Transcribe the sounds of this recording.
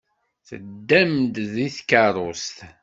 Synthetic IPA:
θəd̪ːæmd̪ðiθkəɾˤost̪

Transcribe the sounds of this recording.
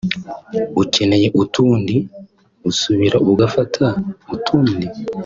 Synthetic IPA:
uce̞ne̞je̞ʔutuːndi | usuβiɾaʔuɡafatʰautʰuːndi

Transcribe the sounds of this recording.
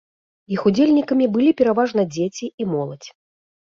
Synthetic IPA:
ixud͡zʲelʲnʲikɐmʲibɨlʲipʲɛɾavaʐnɐd͡zʲet͡sʲiimɔlˠɐt͡sʲ

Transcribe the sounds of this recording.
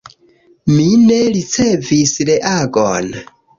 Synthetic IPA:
mine̞ɾit͡se̞visɾeʔaɡo̰n

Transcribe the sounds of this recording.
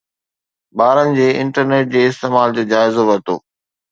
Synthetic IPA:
ɓaːɾənɪ̆d͡ʑeːɪ̃ɳʈəɾneːʈ̚d͡ʑeːɪst̪eːmaːld͡ʑoːd͡ʑaːɪzoʋɐɾt̪o̰ː

